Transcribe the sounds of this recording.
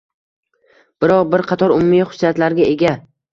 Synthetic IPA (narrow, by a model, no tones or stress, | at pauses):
b̥ɪɾɒqbɪɾqʰɑt̪ʰɒɾʊmʊmːijχʊ̥sːijat̪laɾɡʲae̞ɡʲa